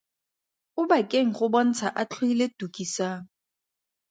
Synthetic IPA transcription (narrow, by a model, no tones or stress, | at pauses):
ʊbakʼeŋ̩χʊbɔn̩t͡sʰaʔat͡ɬʰweiletʼukʼisaːŋ̩